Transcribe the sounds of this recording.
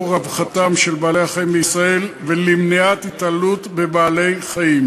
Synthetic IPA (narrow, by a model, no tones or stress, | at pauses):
ʁavχat̪amʃelbaːlejhaχajimbeisʁae̞lvelimniat̪it̪alut̪bebaːle̞jχajim